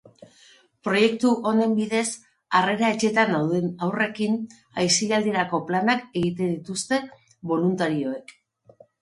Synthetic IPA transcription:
pɾo̞je̞kt̪uʔo̞ne̞mbiðe̞s | are̞ɾae̞t͡ʃe̞t̪anawðenawre̞kin | ajsiald̪ieɾako̞planake̞ɣit̪e̞nd̪it̪ust̪e̞ | βo̞lunt̪aɾio̞e̞k

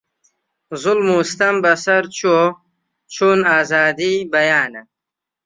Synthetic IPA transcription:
zulmuːst̪ɐmbɐsɐɾt͡ɕo | t͡ɕʰuːnaːzaːd̪ibɐjaːnɐ

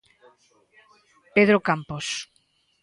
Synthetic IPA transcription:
peðɾokampos

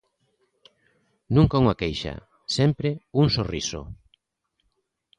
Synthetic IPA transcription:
nũŋkauŋakejʃa̰ | sɛmpɾeuŋsoriso̰

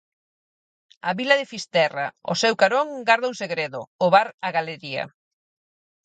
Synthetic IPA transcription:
aβilɐðɪfist̪ɛra̰ʊ̰sɛwkaɾoŋɡaɾðauŋseɣɾeðʊ̰ʊβaɾaɣaleɾiɐ̰

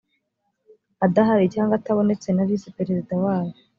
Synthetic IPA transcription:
adaɦaɾicaːŋɡataβo̞ne̞t͡se̞naβisipe̞ɾezidawaːjo

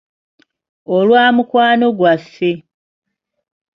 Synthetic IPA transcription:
olwaːmukwaːno̞ɡwasːe

